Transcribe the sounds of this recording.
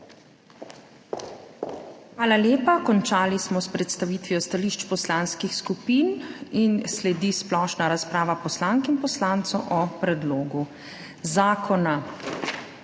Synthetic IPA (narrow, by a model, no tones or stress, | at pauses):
xʋaːlaljeːpakɔnt͡ʃaːlismɔspɾɛt̪st̪aʋiːt̪ʋiɔst̪aliʃt͡ʃpɔslaːnskixskupiːninslɛd̪isplɔːʃnaɾaspɾaːʋapɔslaːŋkinpɔslant̪sɔʔɔpɾɛd̪loːɡu | zaːkʰɔna